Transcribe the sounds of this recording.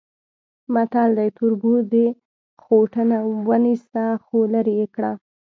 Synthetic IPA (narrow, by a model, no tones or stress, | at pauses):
mat̪ɑld̪ajt̪uɾbud̪e | xoʈənawənist̪axolaɾejekɽa